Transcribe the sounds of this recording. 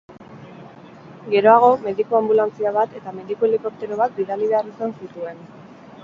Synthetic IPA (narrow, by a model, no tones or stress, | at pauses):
ɡe̞ɾo̞aɣ̞o̞me̞ðikoambulant͡siaβ̞at̪e̞t̪ame̞ðikoeliko̞k̚t̪e̞ɾo̞βat̪̚biðaliβe̞arisansit̪ue̞n